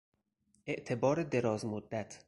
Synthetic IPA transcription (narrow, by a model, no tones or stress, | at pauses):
ʔe̞ʔt̪ʰe̞bɒːɾed̪e̞ɾɒːzmod̪ːæt̪ʰ